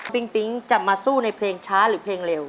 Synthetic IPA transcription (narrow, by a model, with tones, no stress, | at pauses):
pi˦˥ŋpi˦˥ŋt͡ɕa˨˩p̚maː˧suː˥˩na˧jpʰleː˧ŋt͡ɕʰaː˦˥ɾɯː˩˦pʰleː˧ŋle˧w